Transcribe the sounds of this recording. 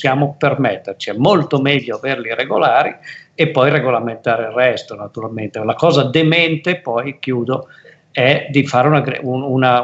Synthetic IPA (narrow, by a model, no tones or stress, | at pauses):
sjaːmopermɛt̪ːert͡ʃiɛmːolt̪omɛʎːoaveɾliɾɛɡolaːɾiepːɔjɾeɡolament̪aːɾerːɛst̪onat̪uɾalment̪elakɔːzad̪emɛnt̪epɔjkjuːd̪o | ɛd̪ifaːɾeunaɡɾ̰uuna